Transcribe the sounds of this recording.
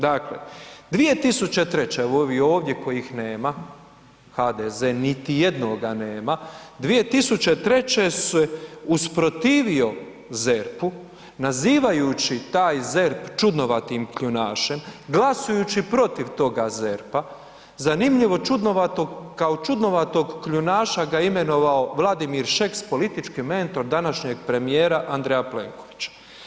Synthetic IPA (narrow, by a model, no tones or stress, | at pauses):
d̪aklḛd̪ʋije̞t̪isut͡ɕe̞t̪ɾe̞t͡ɕeoʋio̞ːʋd̪jeko̞jixne̞ːma | xad̪ezeːnit̪ije̞d̪noɡaneːmad̪ʋije̞t̪isut͡ɕe̞t̪ɾe̞t͡ɕe̞sɛuspɾo̞t̪iːʋio̞ | zeɾpu | naziːʋajut͡ɕit̪aːjze̞ɾpt͡ʃud̪no̞ʋat̪imkʎunaːʃe̞mɡlasujut͡ɕipɾo̞t̪iʋt̪o̞ɡaze̞ɾpa | zanimʎiʋo̞t͡ʃud̪noʋat̪oɡkaot͡ʃud̪no̞ʋat̪oɡːʎunaːʃaɡaime̞no̞ʋaoʋlˠad̪imiɾʃekspo̞lit̪it͡ʃkime̞nt̪o̞ɾd̪anaʃɲeɡpɾe̞mijeːɾaʔand̪ɾejaplḛːŋko̞ʋit͡ɕḁ